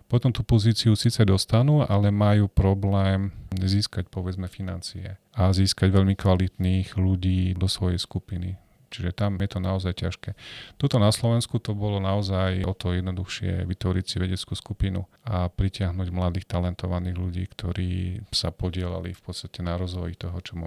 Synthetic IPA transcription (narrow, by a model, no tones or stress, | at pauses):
pɔt̪ɔmt̪upɔziːt͡siusiːt͡sɛd̪ɔst̪anuːʔalɛmajuːpɾɔblɛːmziːskac̚pɔʋɛd͡zmɛfina̰nt͡siɛ̰ | aziːskaɟʋɛʎmikʋalit̪niːɣluɟiːd̪ɔsʋɔjɛ̰jskupinḭ | t͡ʃiʒɛt̪amjɛt̪ɔnaɔzajca̰ʃkɛːt̪ɔt̪ɔnaslɔʋɛnskut̪ɔbɔlɔnaɔzajʔɔt̪ɔjɛd̪nɔd̪uxʃɪɛ̰ʋit̪ʋɔɾicsiʋɛɟɛt͡skuːskupinṵ | apɾicɪaɦnuːɟmlad̪iːxt̪alɛnt̪ɔʋaniːɣluɟḭːkt̪ʰɔɾḭːsa̰pɔɟɪɛla̰lḭfpɔt̪st̪acɛnaɾɔzʋɔ̰jit̪ɔɦɔt͡ʃɔmɔ